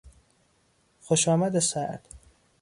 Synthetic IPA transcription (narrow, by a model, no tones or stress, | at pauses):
xoʃɒːmæd̪esæʔd̪̥